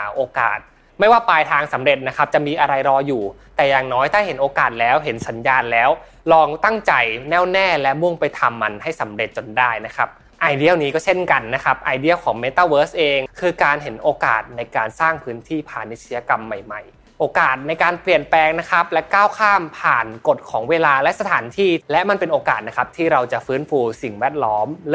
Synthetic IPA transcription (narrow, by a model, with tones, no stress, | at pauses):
ʔoː˧ka̰ː˨˩t̪̚ | ma˥˩jwaː˥˩paː˧jt̪ʰaː˧ŋsa˩˦mɾe˨˩t̪̚na˦˥kʰa˦˥p̚t͡ɕa˨˩miː˧ʔa˧ɾa˧jɾɔː˧juː˨˩t̪ɛː˨˩jaː˨˩ŋnɔː˦˥jt̪ʰaː˥˩ɦe˩˦nʔoː˧kaː˨˩t̪̚lɛː˦˥wɦe˩˦nsa˩˦njaː˧nlɛː˦˥w | lɔː˧ŋt̪a˥˩ŋt͡ɕa˨˧jnɛː˥˩wnɛː˥˩lɛ˦˥mu˥˩ŋpa˧jt̪ʰa˧mːa˧nha˥˩jsa˩˦mɾe˨˩t̪̚t͡ɕo˧ndaː˥˩jna˦˥kʰa˦˥p̚ | ʔaː˧jdi˥˩ə˩wniː˦˥kɔː˥˩t͡ɕʰe˥˩nka˧nːa˦˥kʰa˦˥p̚ʔaː˧jdi˥˩əwkʰɔː˩˦ŋmeː˦˥t̪aː˥˩wɤː˦˥sʔeː˧ŋkʰɯː˧kaː˧nɦe˩˦nʔoː˧ka̰ː˨˩t̪̚na˧jkaː˧nsaː˥˩ŋpʰɯː˦˥nt̪ʰiː˥˩pʰaː˨˩nːi˦˥t̪̚si˧ja˧ka˧mːa˨˩jma˨˩j | ʔoː˧kaː˨˩t̪̚na˧jkaː˧npli˨˩ənplɛː˧ŋna˦˥kʰa˦˥p̚lɛ˦˥kaː˥˩wkʰaː˥˩mpʰaː˨˩nko˨˩t̪̚kʰɔː˩˦ŋweː˧laː˧lɛ˦˥sa˧t̪ʰaː˩˦nt̪ʰiː˥˩lɛ˦˥ʔma˧npe˧nʔoː˧kaː˨˩t̪̚na˦˥kʰa˦˥p̚t̪ʰiː˥˩ɾa˧wt͡ɕa˨˩ʔfɯː˦˥nfuː˧si˨˩ŋwɛː˥˩t̪̚lɔː˦˥m